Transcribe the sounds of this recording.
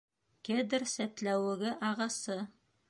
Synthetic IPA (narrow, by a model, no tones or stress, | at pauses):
ked̪ɘɾsæt̪læwɘ̆ɡɘʔɑʁɑsɤ